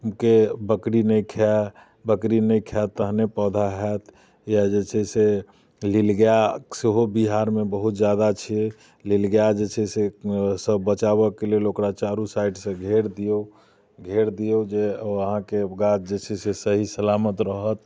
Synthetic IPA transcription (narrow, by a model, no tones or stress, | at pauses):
mkebəkɾinəjkʰa | bəkɾinəjkʰat̪ːəɦnepɔd̪ʱaɦɛt̪ | jad͡ʒet͡ʃʰɛse | lilɡjaseɦobiɦaɾmebəɦut̪̚d͡ʒjad̪at͡ʃʰie | lilɡjad͡ʒet͡ʃʰɛsesəbːət͡ʃaβəkelelokɾat͡ʃaɾusaiɖsə̃ɡʱeɾd̪ijo | ɡʱeɾd̪ijod͡ʒeəɦãkeɡat͡ʃd͡ʒet͡ʃʰɛsesəɦisəlamət̪ɾəɦət̪̚